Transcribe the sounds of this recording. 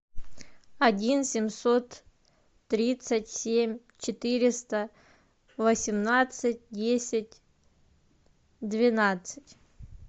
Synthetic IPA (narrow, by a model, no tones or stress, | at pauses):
ɐdʲinsʲɪmʲsot̪ː | ɾʲit̪sətʲsʲemʲ | t͡ɕɪt̪ɨɾʲɪst̪ə | vəsʲɪmnat̪sɨt̚ʲdʲesʲɪtʲ | d̪vʲɪnat̪sɨtʲ